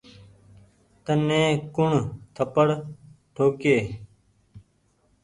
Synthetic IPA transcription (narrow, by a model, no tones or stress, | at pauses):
t̪ənẽːkʊɳt̪ʰəpəɽʈ̪ʰoːkeː